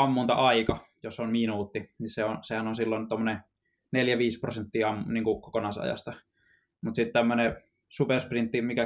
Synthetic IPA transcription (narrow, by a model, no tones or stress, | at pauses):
ɑmːunt̪ɑʔɑikɑ | josonminuːt̪ːinisseosehænonsilːont̪omːəne | neljæʋiːspro̰sent̪ːiːɑmːniːŋkukokonɑsɑ̰jɑ̰st̪ɑ | mut̪sit̪t̪æmːøne | supersprint̪ːimikæ